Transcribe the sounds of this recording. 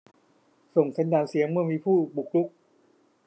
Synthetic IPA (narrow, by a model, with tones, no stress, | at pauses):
so˨˩ŋsa˨˧˦njaː˧˩nsi˨˩˦əŋmɯ˥˩əmiː˧pʰuː˥˩bu˨˩k̚lu˦˥k̚